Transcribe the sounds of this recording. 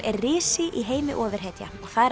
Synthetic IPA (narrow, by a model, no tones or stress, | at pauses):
ɛɾrɪːsɪʔiɦeːjmɪ̰ʔɔːvɪɾ̥ɦejt̪ja̰ɔɣθaðɛɾ